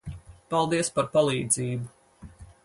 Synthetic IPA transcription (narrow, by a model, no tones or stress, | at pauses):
palˠd̪iɛəspaɾpalˠiːd̪ziːbu